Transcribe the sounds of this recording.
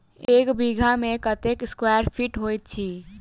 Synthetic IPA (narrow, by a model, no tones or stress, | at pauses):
eːkbʱiɡʱamẽkət̪ekɪskwajəɾpʰiʈɦojt̪̚t͡ʃʰi